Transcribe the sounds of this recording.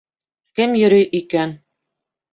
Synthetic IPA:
kɘmjɵ̆ɾɵjʔikæn

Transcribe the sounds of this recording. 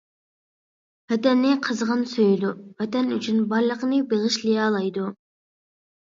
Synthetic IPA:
vɛt̪ɛnːɪqʰəzʁənsøjd̪uvɛt̪ɛnyt͡ʃʰynbɑɾlˠəqnɨbeʁɨʃlijɑlˠɑjd̪u

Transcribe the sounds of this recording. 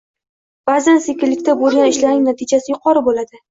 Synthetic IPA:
b̥azansekʲɪlːɪkʲt̪ʰabolˠɡʲanɪʃlaɾɪŋnat̪ʰɪd͡ʒasɪjʊqʰɒɾɪbolad̪ɪ

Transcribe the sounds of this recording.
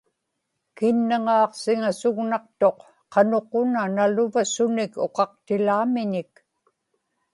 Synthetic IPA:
kɪnːaŋɑːqsɪŋasʊɣnɑq̚t̪o̞q | qɑnoqonanalʊvasʊnɪko̰qɑq̚t̪ɪlaːmɪɲɪk̚

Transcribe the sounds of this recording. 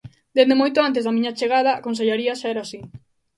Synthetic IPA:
d̪end̪emojt̪oant̪ezðamĩɲat͡ʃeɣ̞að̞aːkons̬eʎaɾiaʃaɛɾasi

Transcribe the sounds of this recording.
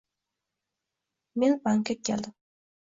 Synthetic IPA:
menbaŋkakʲʰːeld̪ɪm

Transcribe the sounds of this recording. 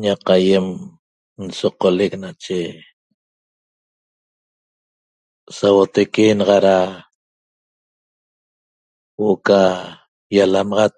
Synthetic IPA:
ɲaqaje̞m | n̩soqoleknat͡ʃe | sawot̪ekenɑʁɑɾa | woka | jalamɑʁɑt̪̚

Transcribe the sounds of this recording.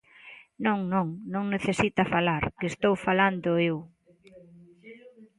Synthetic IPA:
nõŋnõŋnõŋneθesit̪ɐfalaɾkest̪owfaland̪ʊew

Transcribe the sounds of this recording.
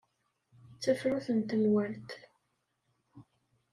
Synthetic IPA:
t͡sːæfɾuθənt̪əmwæɾt̪

